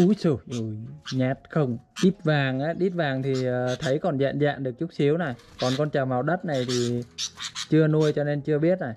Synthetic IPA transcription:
u˨˦sɨ˧˩ʔu˧˩jɲaː˨˩t̚xə˧wŋ͡mɗi˦˥t̚vaː˨˩ŋʔaː˨˦ɗi˦˥t̚vaː˨˩ŋt̪ʰi˨˩əː˨˩t̪ʰə˨˦jkɔ˨˩nza̰ː˧˨nza̰ː˧˨nɗɨ˨˩ək̚t͡ɕʊ˦˥k͡p̚si˨˦əwna˨˩j | kɔ˨˩nkɔ˧nt͡ɕaː˨˩wmaː˨˩wɗə˦˥t̚na˨˩jt̪ʰi˨˩ | t͡ɕɨ˧ənu˧əjt͡ɕɔ˧ne˧nt͡ɕɨ˧əɓi˦˥ət̚na˨˩j

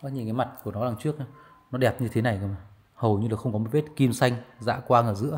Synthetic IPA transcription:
a˦˥ɲi˨˩kaː˨˦jma˨˩t̚ku˧˩ənɔ˨˦laː˨˩ŋt͡ɕɨ˦˥ək̚ː | nɔ˨˦ɗɛ˨˩p̚ɲɨ˧t̪ʰe˨˦na˨˩jka˨˩ma˨˩ | hə˨˩wɲɨ˧laː˨˩xə˧wŋ͡mkɔ˨˦m̚˨˩˦e˦˥t̚ki˧msa˧jŋ̟za̰ː˧˥kwaː˧ŋəː˧˩zɨ̰˧˥ə

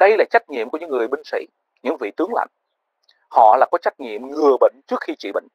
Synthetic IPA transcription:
ɗə˧jlaː˨˩t͡ɕa˦˥jk̚ɲḭ˧əmku˧˩ɲɨ̰˧˥ŋːɨ˨˩əjɓï˧ŋ̟sḭ˧˥˨ | ɲɨ̰˧˥ŋvḭ˧˨t̪ɨ˨˦əŋla̰˧˨jŋ | hɔ̰˧˨laː˨˩kɔ˨˦t͡ɕa˦˥k̚ɲḭ˧˨əmŋɨ˨˩əɓə̰˧˨ŋt͡ɕɨ˦˥ək̚xi˧t͡ɕḭ˧˨˩ɓə̰˧˨ŋ

